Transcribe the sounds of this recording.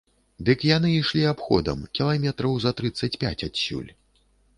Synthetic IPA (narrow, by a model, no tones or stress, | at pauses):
d̪ɨkjanɨiʂlʲiapxɔ̰d̪ɐ̰mkʲilˠamʲɛt̪ɾɐwzɐt̪ɾɨt̪sːɐt͡sʲpʲa̰t͡sʲasʲṵlʲ